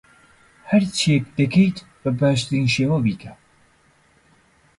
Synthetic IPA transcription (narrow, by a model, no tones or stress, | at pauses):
hɐɾt͡ʃʰiek̚d̪ɨkʰejt̪ | bəbaːʃt̪ɨɾiːnʃeːwɐbiːkʰɐ